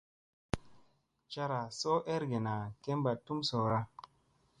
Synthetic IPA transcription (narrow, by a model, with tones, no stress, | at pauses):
t͡ʃa˦ɾa˨so˦ʔe˦ɾɡe˨na˨ke˦mba˨tːu˦mso˨ɾa˦